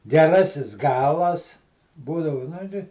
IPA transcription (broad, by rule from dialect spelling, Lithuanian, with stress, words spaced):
ɡʲɛˈrɑːsʲɪs ˈɡɑːlˠɐs ˈbuːdɐʋʊ nʊ ˈtʲɪ